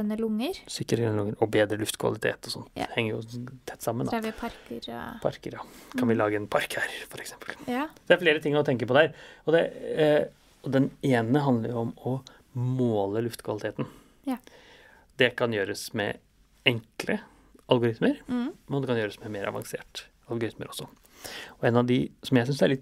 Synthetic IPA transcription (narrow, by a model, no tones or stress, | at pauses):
nəlʊŋːəɾsʏkːəɾəɛnəlʊŋːəɾɔbeːd̪ɾəlʉft̪kʰʋɑ̰lɪt̪ʰḛːt̪ɔsɔnt̪hɛŋːəɾjʊt̪ʰɛt̪ːsɑmːənd̪ɑpʰɑɾkəɾ̰pʰɑ̰ɾkəɾjɑɑnʋɪlɑːɡəɛnpʰɑɾkhæːɾfɔɾɛksɛmpəld̪æɾfleːɾət̪ɪŋːɔt̪ʰɛŋk̬əɾpɔd̪ɛæːɾɔd̪ɛ | ɔd̪ɛneːnəɦɑnd̪ləɾjʊɔmɔ | moːləlʉft̪kʰʋɑlɪt̪ʰeːt̪n̩ | d̪ɛkʰɑnjøːɾəsmɛ̰ | ɛŋklə | ɑlɡʊɾɪt̪məɾmɛnɔd̪ɛkɑnjøːɾəsmɛmeːɾɑ̰ʋɑ̰ŋsḛːʈ | ɑlˠɡʊɾɪt̪məɾɔsːɔ | ɔɛnɑd̪ɪsɔmjæɪsʏnsd̪æɭɪt̪ː